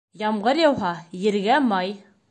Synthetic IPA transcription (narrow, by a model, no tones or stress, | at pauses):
jɑmɢɤɾjɑwɦɑjɘ̆ɾɡæmɑj